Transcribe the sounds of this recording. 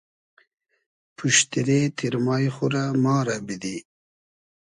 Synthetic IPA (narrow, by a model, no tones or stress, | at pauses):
pʰuʃt̪iɾet̪ʰiɾmɑːjχuɾamɑːɾabid̪i